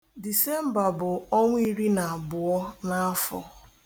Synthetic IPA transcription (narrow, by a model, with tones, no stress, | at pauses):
di˨se˦m̩˦ba˨bʊ˨ɔ˦ŋʷ˦i˦ɾi˦na˨a˨bʊ˨ɔ˦na˦fɔ̰˨